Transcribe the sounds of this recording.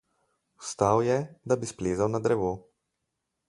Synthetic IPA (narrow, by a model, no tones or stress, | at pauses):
st̪awjɛd̪abispleːzawnad̪ɾɛʋoː